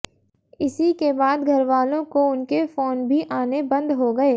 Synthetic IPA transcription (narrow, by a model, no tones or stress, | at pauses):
ɪsikebaːd̪ɡʱɐɾʋaːlõkoʊnkefoːnbʱiʔaːnebɐ̃nd̪ɦoɡɐeː